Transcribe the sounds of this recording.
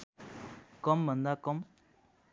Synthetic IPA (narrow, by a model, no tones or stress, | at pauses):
kɔmbənd̪akɔm